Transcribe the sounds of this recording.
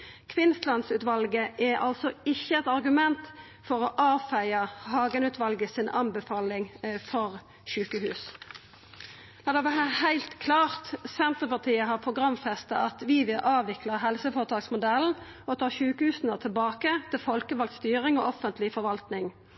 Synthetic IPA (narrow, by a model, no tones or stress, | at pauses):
kʰʋɪnst̪lɑnsʉːt̪ʋɑlɡəʔɛʔɑ̰lsɔɪçːəɛt̪ɑʁɡʉmɛnt̪ | fɔʁɔʔɑːfæɪɑhɑːɡənʉːt̪ʋɑlɡəsɪnʔɑnbəfɑːlɪŋfɔʁ | ʃʉːkəhʉːs | d̪ɑd̪ɛʋæʁəəhæɪlt̪kʰlɑːʁt̪sɛnt̪ʁəpɑʁt̪ʰiːəɦɑʁpʰʊɡʁɑmfɛst̪ɑɑt̪ʋɪʋɪlʔɑːʋɪklɑɦɛlsəfoːʁət̪ʰɑːksmʊd̪ɛln̩ | ɔt̪ʰɑːʃʉːkəhʉːsn̩ət̪ʰɪlbɑːkət̪ʰɪlfɔlkəʋɑlɡ̪st̪yːʁɪŋɔ̰ʔɔfənt̪ʰlɪfɔɾʋɑlt̪nɪŋ